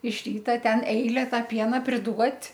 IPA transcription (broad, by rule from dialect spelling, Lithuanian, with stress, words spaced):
ɪʃ ˈrʲiːtɐ ˈtʲɛn ˈɛɪlʲɛ ˈtɑː ˈpʲiɛnɐ pʲrʲɪˈduɔtʲ